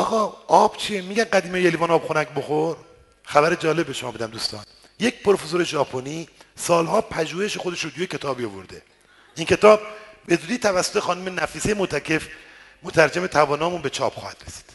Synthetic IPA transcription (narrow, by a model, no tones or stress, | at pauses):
ɒːɣɒːɒb̥t͡ʃʰiemiːɟænɡæd̪iːmejelivɒːnɒːbxonækboxoɾ | xæbæɾed͡ʒɒːle̞beʃomɒːbed̪æmd̪uːst̪ɒ̰ːn | jecpʰoɾfezoɾe̞ʒɒːpʰoniːsɒːlɦɒːpʰæʒuːheʃexod̪e̞ʃɾot̪ujecʲʰe̞t̪ʰɒːbiovo̰ɾd̪e | inkʰe̞t̪ʰɒːb̚be̞zuːd̪iːt̪ʰævæsːot̪exɒːnume̞næfiːsejemot̪ʰæcʰe̞fmot̪ʰæɾd͡ʒemet̪ʰævɒːnɒːmunbe̞t͡ʃʰɒːb̥xɒ̰ːhæd̪̥ɾesi̥d̪̥